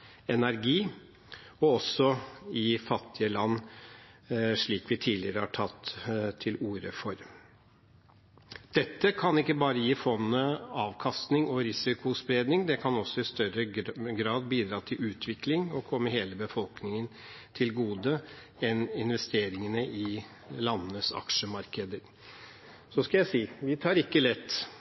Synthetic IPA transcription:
ɛnæɾɡiː | ɔɔsːɔɪfɑt̪ːɪəlɑnː | ʂɭiːkʋɪt̪ʰiːlɪəɾəhɑʈʰɑt̪ːt̪ʰɪluːɾə̰fɔɾ | d̪̥ɛt̪ːəkʰɑnɪkːəbɑːɾəjiːfɔnːəɑːʋkʰɑst̪nɪŋɔɾɪsɪkʊspɾeːd̪nɪŋd̪ɛkʰɑnɔsːɔɪst̪œɾəɡɾɑːd̪biːd̪ɾɑːt̪ʰɪlʉːt̪ʰʋɪklɪŋɔkʰɔmːəɦeːləbəfɔlknɪŋən | t̪ʰɪlɡuːd̪ə | ɛnɪnʋɛst̪eːɾɪŋənəʔɪ | lɑnːənəsɑ̰kʂəmɑɾkəd̪əɾ | sɔskɑljæɪsiːʋɪt̪ʰɑːɾɪkːəlɛt̪ː

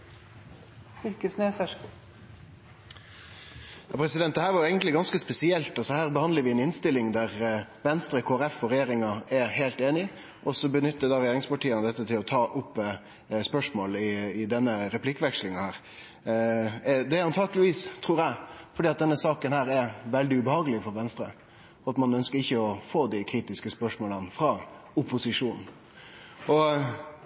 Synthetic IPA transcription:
ɪlkəsneːsæʂ | jɑːpʰɾɛsɪd̪ɛnt̪d̪ɛhæːɾʋɑɾjʊeɪɡənt̪lɪɡɑnskəspɛsɪɛlt̪ɑsɔhæːɾbəhɑnd̪ləɾʋɪɛnɪnst̪ɪlːɪŋd̪æʁʋɛnst̪ɾəkʰoːæɾɛfɔɾɛjeːɾɪŋɑɛheːlt̪eːnɪ | ʔɔsɔbənʏt̪ːəd̪ɑːɾɛjeːɾɪŋspɑʈiːənəd̪ɛt̪ːət̪ʰɪlɔt̪ʰɑːʔʊpː | spœʂmoːlɪɪd̪ɛnːəɾɛpʰlɪkːəʋɛkʂlɪŋɑhæːɾ | d̪ɛɑnt̪ʰɑːkəlɪʋiːst̪ʰɾuːɾjæɪfɔɖiːɑt̪̚d̪ɛnːəsɑːkənhæːɾɛɾʋɛld̪ɪʉbəhɑːɡəlɪfɔɾʋɛnst̪ɾə̰ | ɔɑt̪mɑnœnskəɾɪçːəɔfoːd̪ɪkʰɾiːt̪ɪskəspœʂmoːlɑnfɾɑ | ʊpʊsɪʂuːnn̩ | ɔ

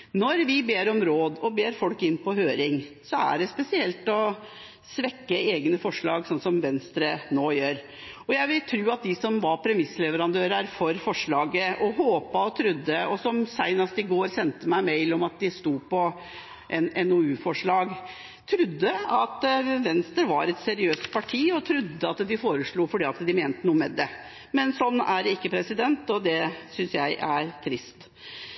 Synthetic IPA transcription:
nɔɾʋɪbeːɾɔmɾoːd̪ɔbeːɾfɔlkɪnːpɔhøːɾɪŋsɔæ̰ɖɛspɛsɪɛlt̪ɔ | sʋɛkːəeːɡnəfɔʂɭɑːɡsɔnsɔmʋɛnst̪ɾənoːjøːɾ | ɔjæɪʋɪlt̪ʰɾʉːɑt̪̚d̪ɪsɔmʋɑpʰɾɛmɪsːlɛʋəɾɑnd̪øːɾəɾfɔɾfɔʂɭɑːɡəʔɔɦoːpɑɔt̪ʰɾʉd̪ːəɔsɔmsæɪnɑst̪ɪɡoːɾsɛnt̪əmæɪmeɪlɔmɑt̪̚d̪ɪst̪uːpɔ | ʔɛnɛnɔʉːfɔʂɭɑːɡ | t̪ʰɾʉd̪ːəɑt̪ʋɛnst̪əɾʋɑɾɛt̪sɛɾɪøːst̪̚pʰɑʈʰiːɔt̪ʰɾʉd̪ːəɑt̪d̪ɪfoːɾəʂɭuːfɔɖiːɑt̪d̪ɪmeːnt̪ənuːəmɛd̪ɛ | mɛnsɔnːæɾɪkːəpʰɾɛsɪd̪ɛnt̪ɔd̪ɛsʏnsjæɪʔæɾt̪ʰɾɪst̪

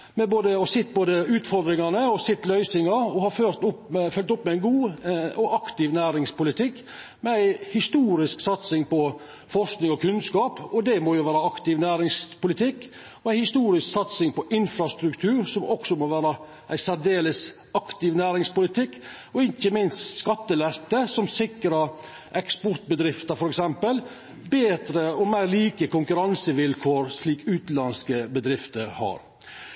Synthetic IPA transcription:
mɛboːd̪əɔsɪt̪ːboːd̪əʉːt̪fɔɾd̪ɾɪŋɑnəɔsɪt̪ːlœʏsɪŋɑɾɔhɑføɾt̪ʊpɛfœlt̪ʊpːmɛæɪnɡuːɔʔɑkt̪ɪʋnæːɾɪŋspʊlɪt̪ʰɪkː | mɛæɪhɪst̪uːɾɪsksɑt̪sɪŋpɔ | fɔʂknɪŋɔkʰʉnskɑːpɔd̪ɛmɔjʊʋæːɾəɑkt̪ɪʋnæːɾɪŋspʊlɪt̪ʰɪkː | ɔæɪhɪst̪uːɾɪsksɑt̪sɪŋpɔʔɪnfɾɑst̪ɾʉkt̪ʰʉːɾsɔmɔɡsɔmoʋæːɾə | ʔæɪsæɖeːləs | ɑkt̪ɪʋnæːɾɪŋspʊlɪt̪ʰɪkː | ɔɪçːəmɪnst̪skɑt̪ːəlæst̪əsɔmsɪkːɾɑ | ʔɛkspɔɾt̪̚bəd̪ɾɪft̪əɾfɔɾɛksɛmpəl | beːd̪ɾəɔmæɪɾliːkəkʊŋkʉɾɑnsəʋɪlkʰoːɾʂliːkʉːt̪lɑnskəbəd̪ɾɪft̪əɾhɑ̰ɾ

